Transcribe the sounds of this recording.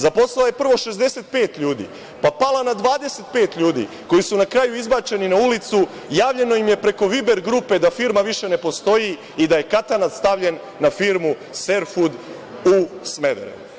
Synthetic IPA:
zapo̞slalaje̞pr̩ʋo̞ʃe̞zd̪e̞set̪̚pe̞ːt̪ʎuːd̪ḭː | papalˠanad̪ʋaːd̪e̞set̪̚pe̞ːt̪ʎuːd̪ḭ | ko̞jisunakɾaːjuizbaːt͡ʃe̞ninaulit̪su | jaːvʋʎe̞no̞jimje̞pɾe̞ko̞ʋibe̞ɾɡɾupe̞d̪afiɾmaʋiʃe̞ne̞po̞st̪o̞ji | id̪aje̞kat̪anat̪st̪aʋʎe̞nːafiɾmu | se̞ɾfud̪ | usmed̪ḛɾḛ

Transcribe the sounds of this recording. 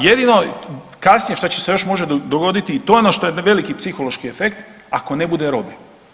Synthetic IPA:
jed̪ino̞ | kasnijeʃt̪at͡ɕese̞jo̞ʃmo̞ʒed̪oɡo̞d̪it̪iːt̪o̞jeonoʃt̪o̞jeʋe̞likipsixo̞loʃkiefe̞kt̪ | ako̞ne̞bud̪eɾo̞be

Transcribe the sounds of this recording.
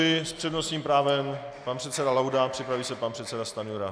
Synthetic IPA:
ɪspr̝̥ɛdno̞st̪ɲiːmpɾaːvɛm | panpr̥ɛt̪sɛdalawdapr̥ɪpɾaviːsɛpanpr̝̥ɛt̪sɛdast̪anjuɾa

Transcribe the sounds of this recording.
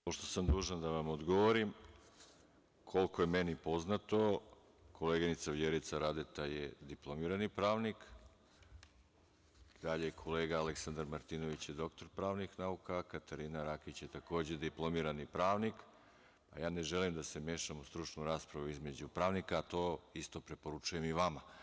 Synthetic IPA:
poʃt̪o̞samd̪uːʒand̪aʋamod̪ɡo̞ʋoɾim | kʰo̞lko̞jemenipo̞znat̪o̞ | kʰo̞leːɡenit̪saʋjeɾit̪saɾad̪et̪ajḛd̪iplˠo̞miɾanipɾaːʋnik | d̪̥aʎekʰoleːɡaːleksand̪aɾmaɾt̪iːno̞ʋit͡ɕjed̪o̞kt̪o̞ɾpɾaːʋnixnaukakat̪aɾinaɾakit͡ɕjet̪ako̞ːd͡ʑed̪iplˠo̞miɾanipɾaːʋnik | pa̰jaːne̞ʒelimd̪ase̞mje̞ːʃamust̪ɾut͡ʃnuɾaːspɾaʋuizme̞d͡ʑupɾaːʋnikaːt̪o̞ːist̪o̞pɾe̞po̞ɾut͡ʃuje̞miʋama

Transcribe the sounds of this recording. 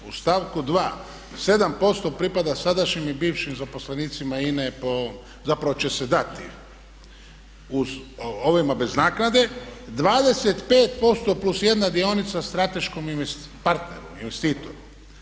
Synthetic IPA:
ust̪aːʋkud̪ʋaː | se̞d̪ampo̞st̪o̞pɾipad̪asad̪aʃɲimibiːʋʃimzaposleniːt̪simainepo̞ | zapɾaʋo̞t͡ɕe̞sed̪at̪ḭ | uoʋomabe̞znaːknad̪e̞d̪ʋaːd̪e̞set̪peːt̪po̞st̪o̞plusje̞d̪nad̪io̞nit̪sast̪ɾat̪e̞ʃkominpaɾt̪ne̞̰ɾuminʋest̪iːt̪oɾu

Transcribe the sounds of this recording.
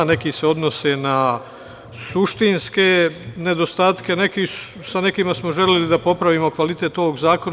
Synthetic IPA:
ne̞kise̞o̞d̪nosena | suʃt̪inskene̞d̪o̞st̪aːt̪ke̞nekissanekimasmoʒelelid̪apo̞pɾaʋimo̞kʋalit̪e̞t̪o̞ʋoɡzaːko̞n

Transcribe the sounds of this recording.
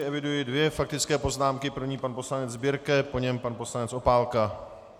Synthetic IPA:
ɪʔɛvɪdujɪdvjɛfak̚t̪ɪt͡skɛːpo̞znaːmkɪpr̩vɲiːpanpo̞slanɛd͡zzbɪɾkɛpo̞ɲɛmpanpo̞slanɛt͡sʔo̞paːlka

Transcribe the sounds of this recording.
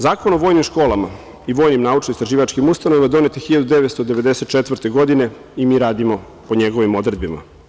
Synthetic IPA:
zaːkonoʋoːjnimʃko̞ːlama̰ | iʋoːjnimnaːut͡ʃnoist̪ɾaʒiːʋat͡ʃkimust̪anoʋed̪o̞net̪exiʎad̪ud̪eʋet̪st̪od̪e̞ʋe̞d̪ese̞t̪̚t͡ʃet̪ʋəɾt̪eɡo̞d̪ine̞ | imiːɾaːd̪imo̞ | po̞ɲeɡo̞ʋimo̞d̪ɾe̞d̪bima̰

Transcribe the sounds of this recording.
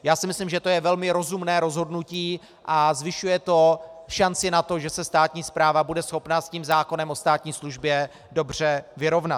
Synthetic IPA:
jaːsɪmɪslɪmʒɛt̪o̞jɛvɛlmɪɾo̞zumnɛːɾo̞zɦo̞dnuciː | ʔazvɪʃujɛt̪o̞ʃant͡sɪnat̪o̞ʒɛsɛst̪aːt̪ɲiːspɾaːvabudɛsxo̞pnasciːmzaːko̞nɛmʔo̞st̪aːt̪ɲiːsluʒbjɛ | do̞br̝ɛvɪɾo̞vnat̪

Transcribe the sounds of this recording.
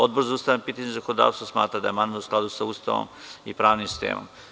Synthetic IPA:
od̪boɾzauːst̪aʋjanpiːt̪aɲzakonod̪a̰ːʋst̪osma̰ːt̪ɾad̪ajemanʋusklˠad̪usaust̪a̰ʋo̰mipɾaːʋnimsi̥st̪ḛːmo̰m

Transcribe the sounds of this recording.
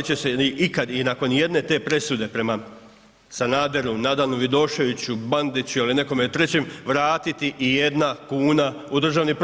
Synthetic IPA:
t͡ɕeseiʔikad̪inako̞nje̞d̪ne̞t̪e̞ːpɾe̞sud̪e̞pɾe̞ma | sanaːd̪e̞ɾunad̪alnuʋid̪o̞ːʃe̞ʋit͡ɕuband̪it͡ɕualine̞ko̞met̪ɾe̞t͡ɕe̞mʋɾaːt̪it̪iʔije̞d̪nakuːnaud̪r̩ʒaːʋnipɾ

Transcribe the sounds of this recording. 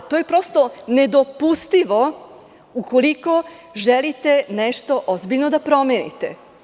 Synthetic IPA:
t̪oje̞pɾo̞st̪one̞d̪o̞pust̪iʋo̞ | uko̞liko̞ʒelit̪eneʃt̪o̞ʔozbiʎnod̪apɾo̞meːnḭt̪e

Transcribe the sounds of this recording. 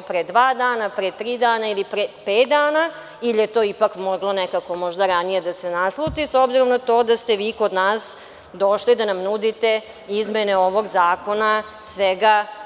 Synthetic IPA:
pɾed̪ʋaːd̪aːnapɾet̪ɾiːd̪aːnailipɾepeːt̪̚d̪aːna | ilje̞t̪o̞ːipakmoɡlonekako̞mo̞ʒd̪aɾanije̞d̪asenaslˠut̪iso̞bziɾo̞mnat̪o̞ːd̪ast̪e̞ʋiːko̞d̪naːs | d̪o̞ʃlid̪anamnud̪it̪e | izmeneo̞ʋo̞ɡzaːko̞na | sʋeɡa

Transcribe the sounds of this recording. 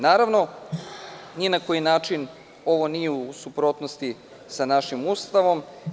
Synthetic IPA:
naːɾaʋno̞ | nijenako̞jinaːt͡ʃin | o̞ʋo̞nijeusupɾo̞t̪nost̪i | sanaʃimust̪aʋo̞m

